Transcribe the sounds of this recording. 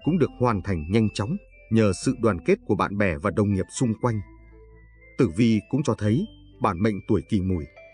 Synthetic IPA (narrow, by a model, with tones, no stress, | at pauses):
kʊ̰˧˥ŋ͡mɗɨ˨˩ək̚hwaː˨˩nt̪ʰa˨˩jŋ̟ɲa˧jŋ̟t͡ɕɔ˨˦wŋ͡m | ɲəː˨˩sɨ̰˧˨ɗwaː˨˩nke˦˥t̚ku˧˩əɓa̰ː˧˨nɓɛ˧˩vaː˨˩ɗə˨˩wŋ͡mŋi˨˩əp̚sʊ˧ŋ͡mkwa˧jŋ̟ | t̪ɨ˧˩vi˧˨kʊ̰˧˥ŋ͡mt͡ɕɔ˧t̪ʰə˨˦j | ɓaː˧˩nmə̰˧˨ŋ̟t̪u˧˩əjki˧˩mu˧˩j